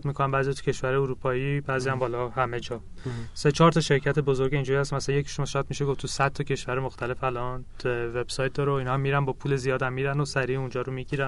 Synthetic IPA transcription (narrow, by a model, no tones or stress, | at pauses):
t̪mikʰonæmbæːzijɒt̪ʰu̥cʰe̞ʃvæɾejuɾuːpʰɒːjibæzjæmbɒːlɒhæme̞d͡ʒɒː | se̞t͡ʃʰɒːɾt̪ʰɒʃe̞ɾcʰæt̪ʰe̞bo̞zo̞ɾɡeind͡ʒuɾihæst̪mæsæænjecʰi̥ʃomɒʃɒjæd̪̥̚miʃeɡoft̪ʰusæd̪ʰɒcʰe̞ʃvæɾemoxt̪ʰæle̞fælɒn | ve̞b̥sɒjt̪̚d̪ɒːɾeoiːnɒmːiːɾænbɒːpʰuːlezijɒːd̪æmːiːɾænosæɾiund͡ʒɒːɾomiɟiɾæn